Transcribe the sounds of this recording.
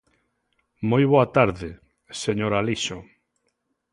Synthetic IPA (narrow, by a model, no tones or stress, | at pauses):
mojβoat̪aɾðɪ | seɲoɾaliʃo